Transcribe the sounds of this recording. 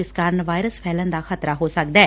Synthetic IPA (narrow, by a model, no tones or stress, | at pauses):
ɪskaɾəɳʋaːjɾəspʰɛːlənd̪aːxət̪ɾaɦoːsək̚d̪ɛː